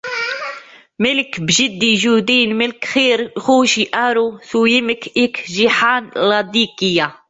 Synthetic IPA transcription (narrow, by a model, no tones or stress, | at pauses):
mɪlkbʒɪd̪ːiʒuːd̪iːnmɪlkxiːɾxuːʃiʔaɾusujɪməkʔikʒiħaːnlɑd̪iːkɪja